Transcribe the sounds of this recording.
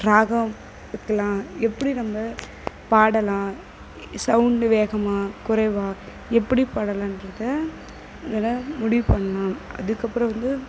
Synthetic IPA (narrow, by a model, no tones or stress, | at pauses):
ɾaːɣɐ̃ | ʋɪkːɐlãːɛpːɐɽinɐmbɐ | paːɽɐlãː | sɐʊɳɖʋeːɣɐmaːkʊɾɐʋaː | ɛpːɐɽipaːɽɐlãːɪndɾɐðɯ | ŋɡɐlɐmʊɽɪʋɯpɐɳːɐlãːɐ̰ðɯkːɐpːɯɾɐ̃ʋɐnd̪ɯ